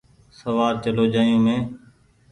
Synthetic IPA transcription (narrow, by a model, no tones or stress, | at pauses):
səʋaːɾt͡ʃəloːd͡ʒaːijũːmẽː